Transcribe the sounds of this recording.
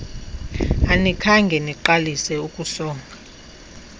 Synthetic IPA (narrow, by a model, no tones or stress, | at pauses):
anikʰaŋɡʱɛniǃalisɛukʼusɔːŋʱa